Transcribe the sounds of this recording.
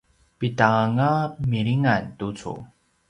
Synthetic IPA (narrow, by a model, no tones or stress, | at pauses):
pitaŋamiɭiŋantut͡sṵ